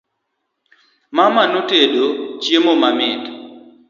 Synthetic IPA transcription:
mamanotedot͡ʃjemomamɪt

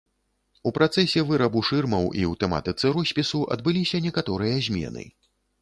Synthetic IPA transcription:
upɾat̪sɛsʲɛvɨɾɐbuʂɨrmɐwʔḭwt̪ɛma̰t̪ɨt̪sɨɾɔsʲpʲisuʔɐ̰d̪̚bɨlʲisʲɐnʲɛkat̪ɔɾɨjɐzʲmʲɛ̰nɨ̰

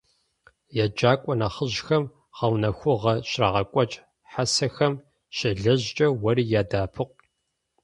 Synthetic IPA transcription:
jad͡ʒaːkʷʼɔnɐχəʑxɐm | ʁɐwnɐxʷʊʁɐɕraːʁɐkʷʼɔt͡ʃʼ | ħasɐxɐm | ɕɪɮɐʑt͡ʃʼɐwɐɾiːjaːdaːpʰɨq̚ʷ

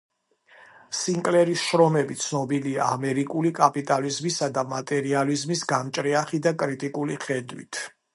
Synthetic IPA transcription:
siŋkʼlɛɾisʃɾɔmɛbit̪sʰnɔbiliaːmɛɾikʼulikʼapʼit̪ʼalizmisad̪amat̪ʼɛɾializmisɡamt͡ʃʼɾɛaχid̪akʼɾit̪ʼikʼuliχɛd̪wḭt̪ʰ

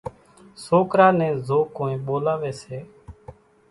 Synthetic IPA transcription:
soːkɾaːnɛ̃ːzoːkːoːĩːɓoːlaːʋeːseː

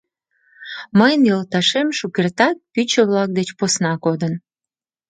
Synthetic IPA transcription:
məjənjəlt̪ɑʃemʃukert̪ɑt̪̚pyt͡ɕəβlɑk̚d̪et͡ɕposnɑkod̪ən

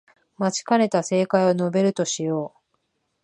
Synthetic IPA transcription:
mat͡ɕi̥kaɾe̞t̪ase̞ːkaiono̞be̞ɾɯ̟t̪o̞ɕijo̞ː

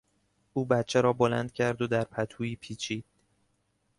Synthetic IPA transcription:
ʔuːbæt̪t͡ʃʰeɾɒːbo̞læ̰nd̪̥̚cʲʰæɾd̪od̪æɾpʰæt̪ʰuːiːpʰiːt͡ʃʰiːd̪̥̚

